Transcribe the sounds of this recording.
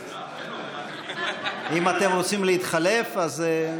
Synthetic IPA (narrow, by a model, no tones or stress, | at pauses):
imat̪e̞mʁo̞t͡simleit̪χale̞faze